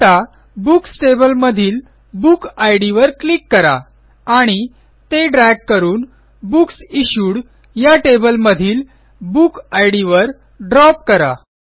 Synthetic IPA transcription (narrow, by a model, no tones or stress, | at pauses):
t̪a | buksʈebəlməd̪ʱiːl | bukajɽiʋəɾklikːəɾa̰ | aɽ̃i | t̪eɖɾɛɡ̚kəɾuːn | buksiɕuːɽ | jaʈebəlməd̪ʱiːl | bukajɽiʋəɾ | ɖɾɔp̚kəɾa̰